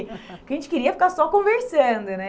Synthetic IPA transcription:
kɪɐʒẽnt͡ʃɪ̥kɪɾiɐfi̥kaɾsɔkõveɾsɐ̃nd̪ʊnɛ

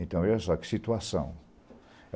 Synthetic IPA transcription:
ẽnt̪ɐ̃w̃ɛɐsɔkɨ̥sit̪uasɐ̰̃w̃ | ɛ

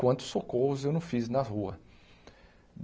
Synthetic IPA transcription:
wɐ̃nt̪ʊ̥sokohʊzewnɐ̃w̃fiznɐhuɐ | d̪

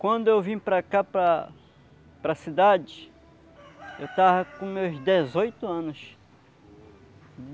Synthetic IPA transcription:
kwɐ̃nd̪ʊewvĩɲʊpɾɐkapɾɐ | pɾɐsid̪ad͡ʒɪ | ewt̪avɐkõmewzd̪ezojt̪ʊɐ̃nʊs

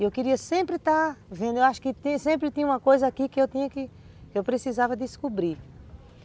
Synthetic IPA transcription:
ewkɪɾiɐsẽmpɾɪt̪avẽnd̪ʊewaʃʊ̥kɪt̪ĩɐsẽmpɾɪt̪ĩɲɐũmɐkojzɐakikɪewt̪ĩɲɐkɪ | kɪewpɾesizavɐd̪ɪskubɾi

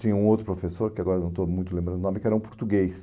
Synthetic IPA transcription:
t̪ĩɲɐũowt̪ɾʊpɾofesoɾkɪaɡɔɾɐnɐ̃w̃t̪omũj̃t̪ulẽmbɾɐ̃d̪nɔmɪkɪɛɾɐũpuɾt̪uɡejs

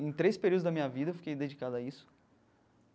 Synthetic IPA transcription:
ẽj̃t̪ɾejspeɾiuwd̪ʊzd̪ɐmĩɲɐvid̪ɐewfi̥kejd̪ed͡ʒikad̪ʊaisʊ̥

